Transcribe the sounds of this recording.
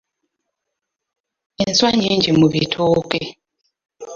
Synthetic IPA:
inswaɲiɲd͡ʒimuβitʰoːke

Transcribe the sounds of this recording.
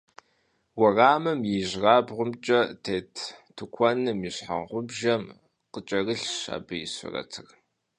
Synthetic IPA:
wɐraːmɨmjiʑraːbʁʷʊmt͡ʃʼɐtʰeːtʰtʰukʷʰɔnɨmiɕħa̰ʁʷʊbʒɐm | qət͡ʃʼɐrɨɬʃa̰ːbɨjɪɕʷʊ̰rɐ̰tʰɨr

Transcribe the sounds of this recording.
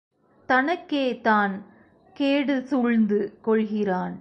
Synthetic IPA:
t̪ɐnɐkːeːt̪aːn | keːɽɯsuɻnd̪ɯkɔɭɣɪraːn

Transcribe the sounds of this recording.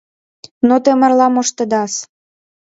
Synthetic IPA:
not̪emə̆rlɑmoʃt̪ə̆d̪ɑs

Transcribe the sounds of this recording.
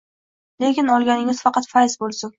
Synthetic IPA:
lekʲɪnɒlˠɡʲanɪŋʲɪz̥fɑqɑt̪fajsbolˠsʊm

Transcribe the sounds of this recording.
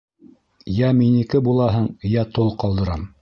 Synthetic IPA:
jæminikɘbulˠɑɦɤɴjæt̪olˠqɑlˠd̪ɤ̆ɾɑm

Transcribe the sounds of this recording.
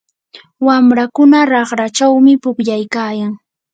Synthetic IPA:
wamɾakʊnaɾɑχɾat͡ʃawmɪpʊkʎajkaːjaŋ

